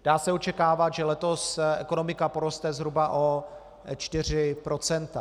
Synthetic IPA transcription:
d̥aːsɛot͡ʃɛkaːvat̪ʒɛlɛt̪o̞sɛ̰kono̞mɪkapo̞ɾo̞st̪ɛzɦɾubaʔo | t͡ʃt̪ɪr̝ɪpɾo̞t͡sɛnt̪a

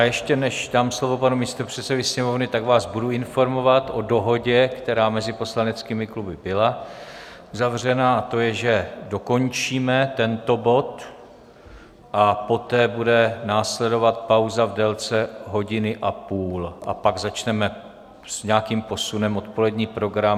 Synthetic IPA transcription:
ajɛʃcɛnɛʃdaːmslo̞vo̞panumiːst̪o̞pr̝̥ɛt̪sɛvɪsɲɛmo̞vnɪt̪aɡvaːzbuduɪnfo̞ɾmo̞vat̪ʔo̞do̞ɦo̞ɟɛkt̪ɛɾaːmɛzɪpo̞slanɛt͡skiːmɪklubɪbɪla | uzavr̝ɛnaat̪o̞jɛʒɛdo̞ko̞ɲt͡ʃiːmɛt̪ɛnt̪o̞bo̞t̪ | ʔapo̞t̪ɛːbudɛnaːslɛdo̞vat̪̚pawzavdɛlt͡sɛɦo̞ɟɪnɪʔapuːlʔa̰paɡzat͡ʃnɛmɛ | sɲakiːmpo̞sunɛmʔot̪po̞lɛdɲiːpɾo̞ɡɾam

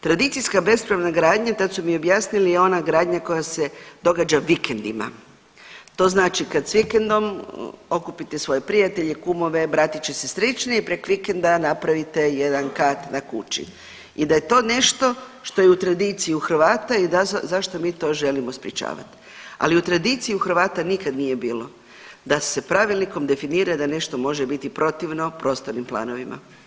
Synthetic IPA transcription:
t̪ɾad̪it̪sijskabe̞spɾaʋnaɡɾaːd̪ɲat̪ad̪sumio̞bjaːsnilijeo̞naɡɾaːd̪ɲako̞jase̞d̪o̞ɡad͡ʒaʋikend̪ima̰ | t̪o̞ːznaːt͡ʃikad̪sʋikend̪o̞mo̞kupit̪esʋo̞jepɾijat̪e̞ʎekumo̞ʋe̞bɾaːt̪it͡ɕesesɾet͡ʃneipɾekʋikend̪anapɾaʋit̪e̞je̞d̪ankaːt̪nakṵt͡ʃḭ | id̪aje̞t̪o̞ːne̞ʃt̪o̞ | ʃt̪o̞jeut̪ɾad̪it̪sijuxr̩ʋaːt̪aid̪azaʃt̪o̞miːt̪o̞ʒe̞limo̞spɾʲjet͡ʃa̰ːʋa̰t̪ | a̰liut̪ɾad̪it̪sijiuxr̩ʋaːt̪anikad̪nije̞biːlo̞ | d̪ase̞pɾaʋilniko̞md̪e̞finiːɾad̪ane̞ʃt̪o̞mo̞ʒebit̪ipɾo̞t̪iʋno̞pɾo̞ːst̪oɾnimplˠa̰ːno̞ʋimʔa̰

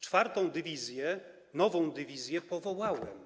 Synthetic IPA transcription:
t͡ʂfaɾt̪ɔ̃w̃d̪ɘvʲizʲjɛ | nɔvɔ̃w̃d̪ɘvʲizʲjɛpɔvɔwawɛ̰m

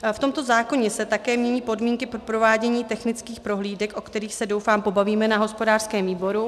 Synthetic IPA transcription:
ft̪o̞mt̪o̞zaːko̞ɲɛsɛt̪akɛːmɲɛɲiːpo̞dmiːŋkɪpɾopɾo̞vaːɟɛɲiːt̪ɛxnɪt͡skiːxpɾo̞ɦliːdɛkʔo̞kt̪ɛɾiːxsɛdo̞wfaːmpo̞baviːmɛnaɦo̞spo̞daːr̥skɛːmviːbo̞ɾu

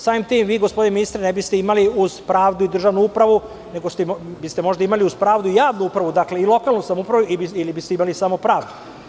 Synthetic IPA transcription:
saːmimt̪iːmʋiːɡospod̪ineminist̪ɾanebist̪eimaliuz̥pɾaːʋd̪uid̪r̩ʒaʋnuupɾaʋu | ne̞ɡo̞st̪ebist̪e̞mo̞ʒd̪aimaliuz̥pɾaːʋd̪uijaːʋnuupɾaʋud̪akle̞ilo̞kalˠnusamupɾaʋuibiilibist̪eimalisamo̞pɾaːʋd̪u

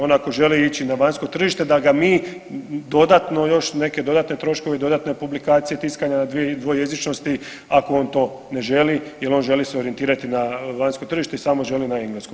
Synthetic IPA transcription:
onako̞ʒe̞liit͡ɕinaʋaɲsko̞t̪r̩ʒiʃt̪e̞d̪aɡamiː | d̪o̞d̪at̪no̞jo̞ʃne̞ke̞d̪o̞d̪at̪ne̞t̪ɾo̞ʃkoʋe̞id̪o̞d̪at̪ne̞publikaːt̪sije̞t̪iskaɲanad̪ʋied̪ʋojje̞zit͡ʃno̞st̪i | ako̞o̞ːnt̪o̞ː | ne̞ʒe̞lije̞lo̞ːnʒe̞liseo̞ɾijet̪iːɾat̪inaʋaɲsko̞t̪r̩ʒiʃt̪e̞isamoʒe̞linaiŋɡlesko

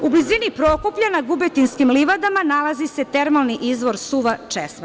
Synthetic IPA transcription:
ublizinipɾokopʎanaɡubet̪inskimliʋad̪amanalˠazise̞t̪e̞ɾmalniʔizʋo̞ɾsuʋat͡ʃḛsma

